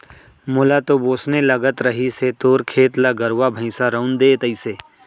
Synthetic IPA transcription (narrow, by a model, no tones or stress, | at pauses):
mʊlat̪oboːsnelɐɡət̪ɾəɦiset̪oːɾkʰeːt̪laɡəɾʋabʱə̃ɪ̃saɾɐʊnd̪eːt̪əiseː